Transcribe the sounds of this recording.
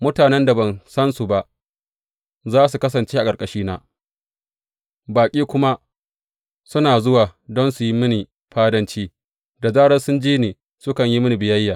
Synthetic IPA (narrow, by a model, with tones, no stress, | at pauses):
mʊ˦taː˨nɛ˦nda˨bɐ˨nsɐ˦nsu˨ba˦ʔ | zaː˦s̬u˨kɐ˦s̬ɐ˨nt͡ʃeː˦ʔa˨kʼɐ˨ɾkʼɐ˨ʃiː˦naː˦ | baː˨kʲʼiː˦kʷʊ˦ma˦ | sʊ˦naː˨zʊ˦waː˨dɔ˦nsu˨ji˦mɪ˦ni˨ | ɸaː˦dɐ˦nt͡ʃiː˦ | da˨zaː˦ɽɐ˦nsʊ˦nd͡ʒiː˦niː˨ | sʊ˦kɐ˨ɲji˦mɪ˦ni˨bɪ˨jɐ˦jːaː˨